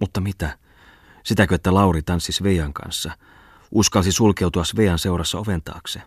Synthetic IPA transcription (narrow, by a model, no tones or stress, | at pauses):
mut̪ːɑmit̪æ | sit̪ækøet̪ːælɑurit̪ɑnsːisʋejɑŋkɑ̰nsːɑ | ʔuskɑlsisulkeut̪uɑsʋejɑnse̞urɑsːɑoʋent̪ɑ̰ːkse